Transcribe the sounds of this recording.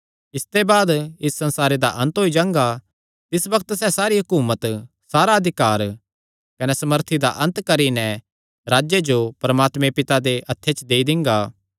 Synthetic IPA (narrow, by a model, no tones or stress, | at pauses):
ɪst̪ebaːd̪ɪsːɐ̃nsaːɾed̪aʔɐ̃nt̪ɦoːid͡ʒãːŋɡa | t̪ɪsbɐkʰət̪sɛsaːɾiɦʊkuːmət̪ | saːɾaɐd̪ʱɪkaːɾ | kɐnɛsɐməɾt̪ʰid̪a̰ʔɐ̃nt̪kɐɾinɛ̃ | ɾaːd͡ʒjed͡ʒopɐɾɐmaːt̪mẽpɪt̪ad̪eʔɐt̪ʰːet͡ʃd̪eːid̪ɪ̃ŋɡaː